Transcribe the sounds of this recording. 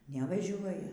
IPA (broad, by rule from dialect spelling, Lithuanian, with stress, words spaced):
nʲɛʋɐˈʒʲuɔjɛ